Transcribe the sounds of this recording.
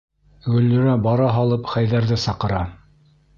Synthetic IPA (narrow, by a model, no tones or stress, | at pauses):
ɡɵ̆lːɵ̆ɾæbɑɾɑɦɑlˠɤpχæjðæɾðɘsɑqɤ̆ɾɑ